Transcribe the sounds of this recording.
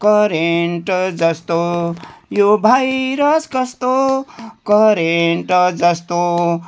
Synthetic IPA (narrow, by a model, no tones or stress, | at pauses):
kʌɾeɳʈd͡zʌst̪o | jobʱajɾʌskʌst̪okʌɾeɳʈd͡zʌst̪o